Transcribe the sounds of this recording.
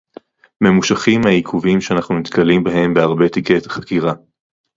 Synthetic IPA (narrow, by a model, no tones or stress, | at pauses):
me̞muʃaχimaikʰuvimʃeanaχnumit̪kalimbaɦe̞mbeaʁbe̞t̪ike̞t̪χḁkiʁa